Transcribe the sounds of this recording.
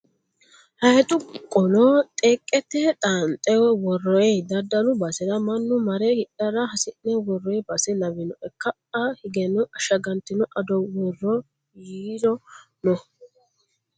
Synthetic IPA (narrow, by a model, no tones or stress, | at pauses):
hɐhɛt̪ʼʊkʼɔlɔt̪ʼeːkʼːɛt̪ːɛt̪ʼaːnt̪ʼɛwɛwɔrːɔjɛd̪ɐd̪ːɐlʊbɐsɛɾɐmɐnːʊmɐɾɛhɪɗɐɾɐhɐsɪnːɛwɔrːɔjɛbɐsɛnɐβɪnɔʔɛkːɐ | ɐhɪɡɛnʊʔɐʃɐɡɐnt̪ɪnɔʔɐd̪ɔwɔrːɔ | jiːɾɔ | nɔ